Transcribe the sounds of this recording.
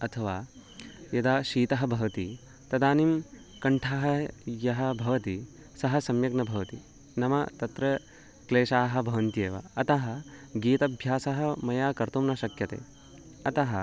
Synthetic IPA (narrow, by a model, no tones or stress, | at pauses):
ɐt̪ʰɐʋaːjɐd̪aːʃiːt̪ɐɦɐ̆bʱɐʋɐt̪i | t̪ɐd̪aːnim | kɐɳʈʰaːɦɐ̆jɐɦɐ̆bʱɐʋɐt̪i | sɐɦɐsɐmjɐɡnɐbʱɐʋɐt̪i | nɐmɐt̪ɐt̪ɾɐ | kleːʃaːɦɐ̆bʱɐʋɐnt̪jeːʋɐ̰ɐt̪ɐɦɐ̆ɡiːt̪ɐbʱjaːsɐɦɐ̆mɐjaːkɐɾt̪umnɐʃɐkjɐt̪ḛː | ɐt̪ɐɦɐ